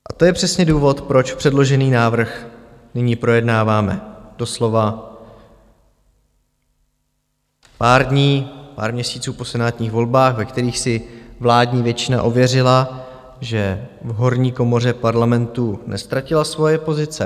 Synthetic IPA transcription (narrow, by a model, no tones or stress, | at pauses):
ʔat̪o̞jɛpr̝̥ɛsɲɛduːvo̞t̪pɾo̞t͡ʃpr̥ɛdlo̞ʒɛniːnaːvr̩xnɪɲiːpɾo̞jɛdnaːvaːmɛ̰d̥o̞slo̞va | paːɾdɲiːpa̰ːɾmɲɛsiːt͡suːpo̞sɛnaːt̪ɲiːxvo̞lbaːxvɛkt̪ɛɾiːxsɪvlaːdɲiːvjɛt͡ʃɪna̰ʔovjɛrɪla | ʒɛvɦo̞ɾɲiːko̞mo̞r̝ɛpaɾlamɛnt̪unʔɛ̰st̪ɾacɪlasvo̞jɛpo̞zɪt͡sɛ